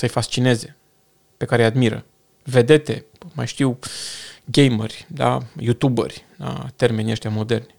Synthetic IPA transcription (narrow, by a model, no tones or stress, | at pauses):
səjfast͡ʃine̞ze̞ | pe̞kaɾejad̪miɾə̰ | ve̞d̪e̞t̪e̞̰ | ma̰jʃt̪iw | ɡʲejmə̰rʲd̪a̰jut̪ubə̰rʲla̰t̪e̞rme̞nʲieʃt̪ʲjamo̞d̪e̞rnʲ